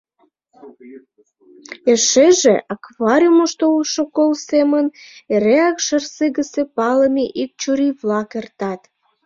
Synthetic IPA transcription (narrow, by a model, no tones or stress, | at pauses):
eʃeʒeʔɑkβɑɾʲiumoʃt̪ouʃokolseməneɾeɑkʃərseɣəsepɑləmeʔik̚t͡ɕuɾiβlɑkert̪ɑt̪